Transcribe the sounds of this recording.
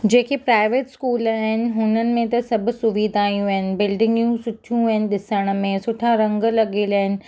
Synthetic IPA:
d͡ʑeːkipɾaːɪʋeːʈskuːlaːɦɪnɪ̆ɦʊnənɪ̆mẽt̪ɐsɐbʱʊ̆sʊʋiːd̪ʱaːjũaɦɪnɪ̆bɪlɖɪ̃ŋɡijũsʊʈʰijũɦɪnɪ̆ɗɪsəɽ̃̆mẽsʊʈʰaɾɐ̃ŋɡlɐɠelaːɦɪnɪ̆

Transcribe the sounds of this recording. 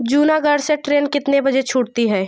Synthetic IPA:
d͡ʒuːnaɡɐɽseʈɾeːnkɪt̪nebɐd͡ʒet͡ʃʰʊːʈt̪iɦɛː

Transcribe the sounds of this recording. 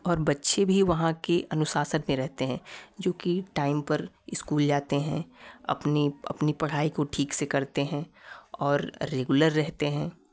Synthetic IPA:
ɔːɾbɐtːʃebʱiʋɐɦãkeʔɐnʊsaːsənmẽɾɛɦt̪eɦɛ̃ːd͡ʒoːkiʈaːɪmpɐɾ | ɪskuːld͡ʒaːt̪eɦɛ̃ɐ̰pniɐ̰pnipɐɽ̤aːikoʈʰiːksekɐɾt̪eɦɛ̃ɔːɾːeːɡʊləɾːɛɦt̪eɦɛ̃ː

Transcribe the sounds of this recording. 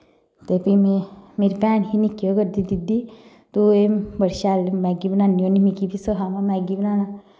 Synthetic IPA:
t̪epimemeɾipɛːnɦinikːjoɡəɾd̪id̪id̪i | t̪uembəɾʃaːlmɛːɡibənaːnionimikipisəɦamamɛɡibənaːna

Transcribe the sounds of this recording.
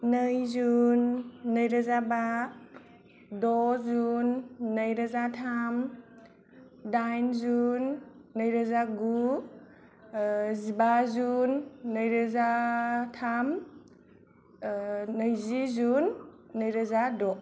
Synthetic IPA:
nəjzunːəjɾazaba | dɔzunːəjɾazatʰam | dajnzunːəjɾazaɡu | zibazunːəjɾəzatʰam | nəjzizunː | əjɾəzadɔ

